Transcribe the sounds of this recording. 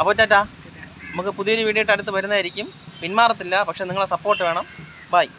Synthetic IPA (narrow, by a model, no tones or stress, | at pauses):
ɐpːoːt͡ɕːaːt̬ːaː | nɐmukːɨpuðijɐɾiʋiːɽijiʈːɨɐɽut̪ːɨʋɐɾunːɐðaːjiɾikʲːumpinmaːrɐt̪ːilːɐpɐkʂe̞niŋːɐɭesɐpːo̞ːrʈːɨʋe̞ːɳɐm | baj